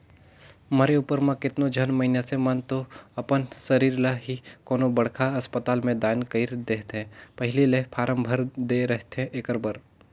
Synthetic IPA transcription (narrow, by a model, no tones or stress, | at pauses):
məɾeuːpəɾmãkɪt̪nod͡ʒʱənmɐinesemənt̪oɐpənsəɾiːɾlaɦikoːnobɐɽkʰaɐspət̪aːlmẽd̪aːnkəiɾd̪eːɦt̪ɦɛ̃pəɦɪlelepʰaːɾəmbʱəɾd̪eɾəɦt̪ɛ̃ʔeːkəɾbəɾ